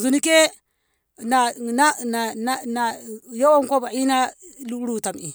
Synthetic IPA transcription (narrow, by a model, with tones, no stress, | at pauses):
zu˨ni˦ke˦ | na˨na˦na˨na˦na˨jo˦wo˦ŋ˦kʷo˦ba˨i˦na˦lu˦ɾu˦˨ta˨mi˨